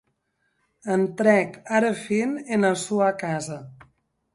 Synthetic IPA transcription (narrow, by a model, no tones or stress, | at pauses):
ənt̪ɾɛkaɾəfinenasuakazə